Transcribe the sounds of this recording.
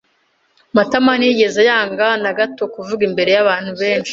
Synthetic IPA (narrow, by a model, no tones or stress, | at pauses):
mataman̥hiːɟe̞zejaːŋɡanaɡato̞kuvuɡimbe̞ɾe̞jaβaːn̥huβe̞ːnʃi̥